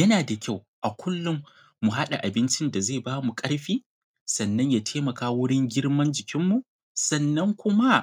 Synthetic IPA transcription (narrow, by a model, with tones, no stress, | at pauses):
jɐ˦naː˨da˨kʲa˦˨w | ʔa˨kʷʊ˦lːʊ˦mː | u˨ɦa˦ɗa˨ʔa˨bɪ˦nt͡ʃɪ˦nda˨zeː˦˨baː˦mu˨kʼɐ˦ɽɸiː˦ | sɐ˨nːɐ˦ɲjaː˨tʰeː˦mɐ˨kaː˦wʊ˦ɽɪ˦ŋɡʲɪ˦ɽmɐ˦nd͡ʒɪ˨kʲɪ˦mːu˨ | sɐ˨nːɐ˦ŋkʷʊ˦ma˦